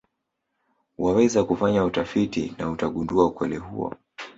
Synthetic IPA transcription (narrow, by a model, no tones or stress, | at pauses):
wawɛzakufaɲautafitḭnautaɠunduaukwɛlihṵɔ̰